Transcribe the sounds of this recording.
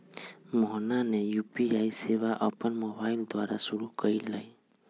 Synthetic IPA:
mɔɦnanejupiajsebaʔəpənmobaild̪waɾasuɾukəjləj

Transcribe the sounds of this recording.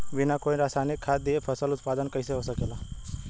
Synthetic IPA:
ʋinakoːiɾaːsaːnikʰːaːt̪̚d̪iepʰɐsəlʊt̪paːd̪ənkəiseɦosəkela

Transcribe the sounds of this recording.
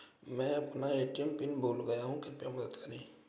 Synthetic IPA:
mɛ̃ːɐpnaeːʈijəmpɪnboːlɡɐjaɦũkɪnpemɐd̪əd̪kɐɾeː

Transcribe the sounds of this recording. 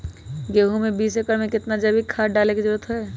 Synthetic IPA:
ɡeːɦumẽbiːsekəɾmẽkɪt̪nad͡ʒəbʱikʰaːɖaːlekizɾuːɾət̪ɦɛː

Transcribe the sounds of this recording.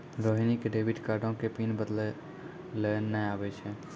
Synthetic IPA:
ɾoːɦinikeɖeːʋɪʈkaːɾɖõkepiːnbəd̪le | lenəaːʋet͡ʃʰe

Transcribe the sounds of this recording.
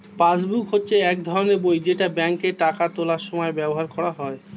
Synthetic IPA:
pasbukɦotːɕʰeɛk̚d̪ʱɔɾoneɾbojd͡ʑeʈabɛŋkeʈakat̪olaɾʃɔmɔebɛboɦaɾkʰɔɽaɦɔe

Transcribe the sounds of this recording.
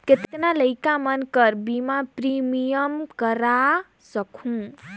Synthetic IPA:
ket̪naləɪkamənkəɾbimãpɾimijəmkəɾa | səkʰũ

